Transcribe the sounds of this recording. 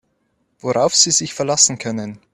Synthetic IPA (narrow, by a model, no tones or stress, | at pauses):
voʁaʊfz̥iːzɪçfɛɐlasn̩kʰœnən